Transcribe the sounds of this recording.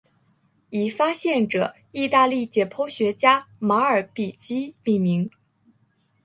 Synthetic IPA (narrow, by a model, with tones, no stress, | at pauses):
i˨˩fa˥ɕjɛ˥˩nʈ͡ʂɤ˨˩˦ | i˥˧t̪a˥˧li˥˩t͡ɕjɛ˨˩pʰɔ˥ɕɥɛ˧˥t͡ɕja˥ma˧˥ə˞˨˩pi˨˩t͡ɕi˥mi˥˩nmi˧˥ŋ